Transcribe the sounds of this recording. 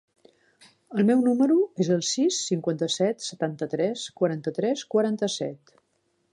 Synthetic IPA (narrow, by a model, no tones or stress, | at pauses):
əlˠmɛwnuməɾuezəlˠsisːiŋkwant̪əsɛt̪sət̪ant̪ət̪ɾɛskwəɾant̪ət̪ɾɛskwəɾant̪əsɛ̰t̪